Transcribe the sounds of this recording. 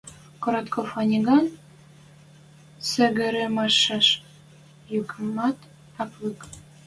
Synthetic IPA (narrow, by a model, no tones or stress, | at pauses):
koɾɑt̪kʰofɑnʲiɡɑn | sɘ̆ɣɘ̆ɾĕmɑʃɑʃ | jukmɑt̪ | ɑplɨk